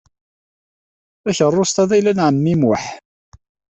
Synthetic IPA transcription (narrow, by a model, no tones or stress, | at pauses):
æçərˤːost̪æðæjlænʕəmːimwʊħ